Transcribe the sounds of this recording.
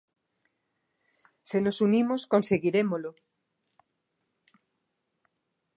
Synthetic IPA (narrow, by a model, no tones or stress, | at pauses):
senosunimoskonseɣiɾemolo